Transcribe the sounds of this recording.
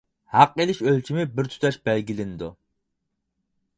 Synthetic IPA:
hæqelɪʃølt͡ʃʰimɪbɪɾt̪ʰy̥t̪ʰɛʃbɛlɡʲilɪnɪd̪u

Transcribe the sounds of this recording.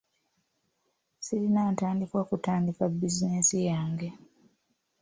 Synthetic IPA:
silinaːntaːndikwakutaːndikabːizinesijaːŋɡe

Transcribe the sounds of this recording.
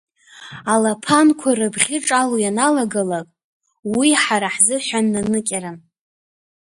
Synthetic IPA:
alapʰankʷʰarɨbχʲɪʈ͡ʂʼalojanalaɡalakʼ | wiħaɾaħzɨħʷanːanɨkʲʼaɾan

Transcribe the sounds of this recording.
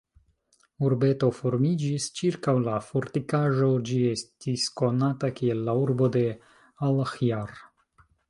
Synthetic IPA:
uɾbe̞to̞fo̞ɾmid͡ʒist͡ʃiɾkawlafoɾtikaʒo̞d͡ʒie̞stisko̞natakie̞lːauɾbo̞de̞ | alxjaɾ

